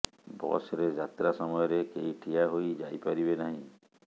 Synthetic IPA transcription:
bɔ̰sɾed͡ʒat̪ɾasɔmɔjɔɾekeiʈʰijaɦojd͡ʒajpaɾibenaɦĩ

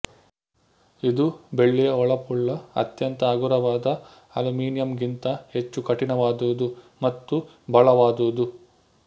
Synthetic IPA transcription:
id̪ube̞ɭːijɐɔɭɐpuɭːɐɐ̰t̪jɐnt̪ɐːɡuɾɐʋaːd̪ɐ | ɐlumiːnijɐmɡint̪ɐhe̞t͡ʃːukɐʈinɐʋaːd̪uud̪u | mɐt̪ːu | bʱɐɭɐʋaːd̪uud̪u

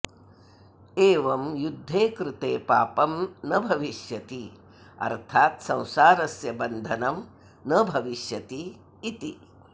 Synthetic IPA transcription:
eːʋɐmjud̪ʱːeːkɾɪt̪eːpaːpɐmnɐbʱɐʋiʃjɐt̪i | ɐ̰ɾt̪ʰaːt̪sɐ̃w̃saːɾɐsjɐbɐnd̪ʱɐnɐm | nɐbʱɐʋiʃjɐt̪iː | t̪i

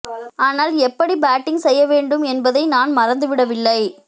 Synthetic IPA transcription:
aːnaːlɛpːɐɽibaːʈːɪŋsɛjːɐʋeːɳɖɯmɛnbɐðɐɪnaːnmɐɾɐnd̪ɯʋɪɽɐʋɪlːɐɪ

